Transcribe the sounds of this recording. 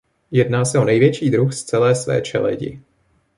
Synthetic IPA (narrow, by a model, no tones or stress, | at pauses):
jɛdnaːsɛonɛjvjɛt͡ʃiːd̪ɾuxst͡sɛlɛːsvɛ̰ːt͡ʃɛ̰lɛ̰ɟɪ̰